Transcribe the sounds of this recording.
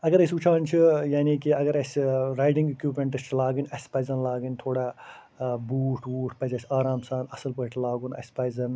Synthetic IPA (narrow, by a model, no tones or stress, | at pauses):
ɐɡɐɾɐsʲut͡ʃʰaːnt͡ʃʰijaːnikiɐɡɐɾɐsʲɾaːjʈĩŋɡikjuːpmeɳʈɐt͡ʃʰlaːɡɐnʲɐsʲpɐːzɐnlaːɡənʲt̪ʰoːɽaː | buːʈʰuːʈʰpɐd͡ʒɐsʲaːɾaːmsaːnɐsɐlpɐʈʰlaːɡunɐ̰sʲpɐjzɐn